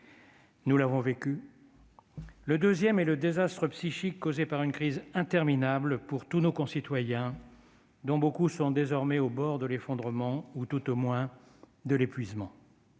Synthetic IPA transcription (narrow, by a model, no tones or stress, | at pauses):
nulavɔ̃vekʲy | ləd̪øzjɛmɛləd̪ezast̪χəpsiʃikːozepaʁynkχizɛ̃t̪ɛʁminablpuʁt̪unokɔ̃sit̪wajɛ̃ | d̪ɔ̃bokusɔ̃d̪ezɔʁmɛobɔʁd̪əlefɔ̃d̪ʁəmɑ̃ut̪ut̪omwɛ̃ | d̪əlepɥizmɑ̃